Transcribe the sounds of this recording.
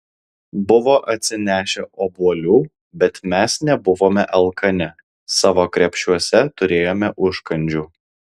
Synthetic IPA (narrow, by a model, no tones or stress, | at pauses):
bʊʋoːʔɐt̪ʲsʲɪnʲæːʃʲɛʔoːbuɔlʲuː | bʲɛt̪mʲæsnʲɛbʊʋoːmʲɛʔɛlˠkʰɐnʲɛ | sɑːʋoːkɾʲɛpʲʃʲuɔsʲɛt̪ʊɾʲeːjoːmʲɛʔʊʃkɐnʲd͡ʒʲuː